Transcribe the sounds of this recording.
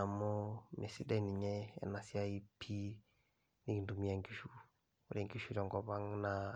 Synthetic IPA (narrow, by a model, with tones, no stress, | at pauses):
a˨mo˦mʔe˨si˦dɛ˦˨ni˨ɲɛ˦ɛ̰˨na˨si˦a˦i˦pʰi˦ | ni˦ki˨ndu˨mi˦a˨ŋki˦ʃu˦ | u˨ɾɛ˨ŋki˦ʃu˦ɾɔ˨ŋɡɔ˨ba˦ŋna˨